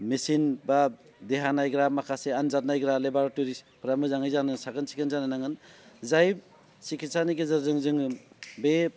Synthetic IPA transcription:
misinba | deɦanajɡɾamakʰaseanzat̚najɡɾalebaɾatuɾispʰɾamɯzaŋɯjzanɯnsaɡɯnsi̥kɯnzanɯnaŋɯnzajb̚ | sikʰitsaniɡezɯɾzɯŋzɯŋɯbe

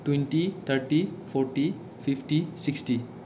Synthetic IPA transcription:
ʈwẽnʈit̪ʰəɾʈipʰɔɾʈi | pʰifʈisiksʈi

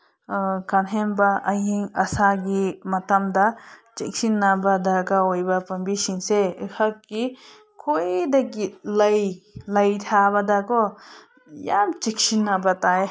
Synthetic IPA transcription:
kanɦembaʔɐjiŋɐsaɡimɐtamdat͡ʃek̚sinːabadakaojbapɐmbisiŋseekʰakːi | kʰojdaɡilɐjlɐjtʰabadakɔ | jamt͡ʃek̚sinːabatae

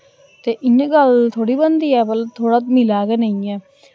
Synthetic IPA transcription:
t̪eːʔɪɲːɡəlt̪ʰoːɽiːbənd̪iːɛːbəlt̪ʰːoːɽaːmɪlaːɡɛːnəĩːɛː

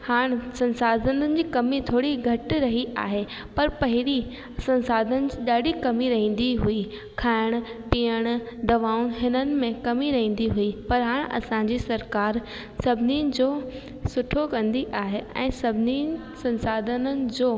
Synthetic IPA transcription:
haːɽ̃sɐ̃nsaːd̪ʱənənɪ̆d͡ʑiːkɐmit̪ʰoːɽiɡʱɐʈɪɾɐɦiʔaːɦe | pɐɾpɐɦɪɾi | sɐ̃nsaːd̪ʱənɪ̆d͡ʑiːɗaːɗikɐmiɾɐɦĩːn̆d̪iɦui | kʰaːɪɽ̃ʊ̆piːəɽ̃ʊ̆d̪ɐʋaːʊnɦɪnənɪ̆mẽkɐmiɾɐɦĩːn̆d̪iɦuipɐɾɦaːɽ̃ʔɐ̰sãɲd͡ʑisɐɾkaːɾ | sɐbʱɪninɪ̆d͡ʑoː | sʊʈʰokɐ̃nd̪iʔaːɦeɛ̰̃ːsɐbʱɪni | sɐ̃nsaːd̪ʱənənɪ̆d͡ʑoː

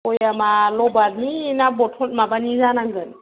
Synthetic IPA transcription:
ɔjamalɔbaɾninabɔtʰɔt̚mabanizanaŋɡɯn

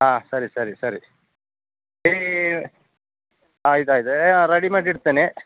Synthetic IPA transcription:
aːsɐɾisɐɾisɐɾi | eː | aːjt̪aːjit̪ɨeaɾɐɽimaːʈiɽt̪aːne

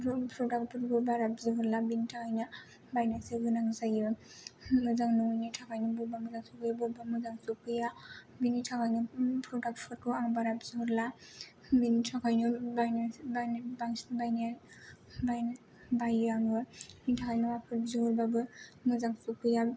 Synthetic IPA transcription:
pɾɔdak̚pʰɔɾbɯbaɾapzɔɦɔɾlabinitʰakajnɯ | bajnaseɡɯnaŋzajɯ | mɯzaŋnuŋjnitʰakajnubuɾbamɯzaŋsukɯjabuɾbamɯzaŋsukɯja | binitʰakʰajnupɾɔdak̚pʰɔɾkɯaŋbaɾapzɔɦɔɾla | binitʰakajnubajnabanbaŋsnbajna | bajn | bajaŋɯnitʰakajnuwapʰɯzɔɔɾbabɯmɯzaŋsukɯja

